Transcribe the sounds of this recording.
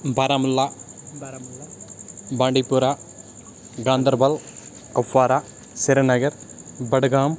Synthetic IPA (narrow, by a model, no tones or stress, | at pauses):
bɐɾamulːaː | baːɳɖipːuɾaː | ɡaːnd̪ɐɾbɐl | kɐfːaːɾaː | sɪɾɐnɐɣɐɾbɐɽɯɡaːm